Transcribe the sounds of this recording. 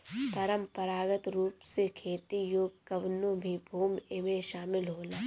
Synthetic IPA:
pɐɾəmpəɾaːɡət̪ɾuːpsekʰeːt̪ijoːɡkɐʋnõbʱibʱuːmemẽʃaːmɪlɦoːnaː

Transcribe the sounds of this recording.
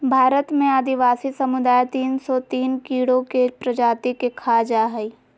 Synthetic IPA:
bʱaːɾət̪mẽaːd̪ɪʋaːsisɐmʊd̪aːjt̪iːnsɔt̪iːnkiːɽokepɾɐd͡ʒaːt̪ikekʰaːd͡ʒaɦɛi

